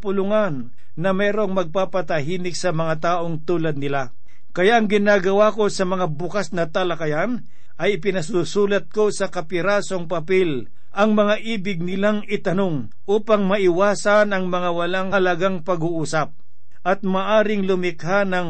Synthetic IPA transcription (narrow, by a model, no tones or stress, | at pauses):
pʊlʊŋanː | ɐmɛːɾo̞ŋmɐɡ̚papɐt̪ɐɦiːnɪk̚sɐmɐŋat̪aːʔo̞ŋt̪uːlɐd̪̚nɪla | kɐjaʔɐŋɡɪnaːɡɐwako̞sɐmɐŋabʊkasnɐt̪ɐlɐkajan | ʔɐjɪpɪnɐs̬uːsuːlɐt̪̚ko̞sɐkɐpɪɾaːso̞ŋpɐpɛl | ʔɐŋmɐŋaʔiːbɪɡ̚nɪlaŋɪt̪ɐnoŋ | ʔuːpaŋmɐʔɪwaːsɐnɐŋmɐŋawɐlaŋɐlɐɡaŋpɐɡʊʔuːsɐp̚ | ʔɐt̪̚maʔaːɾɪŋlʊmɪkhanɐŋ